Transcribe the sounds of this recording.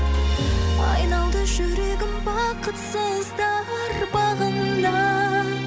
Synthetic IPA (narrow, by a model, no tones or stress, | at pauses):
ɑ̰jnɑlˠd̪əʒɵɾeɡʲɪmwɑqət̪sezd̪ɑɾbɑʁənlɑ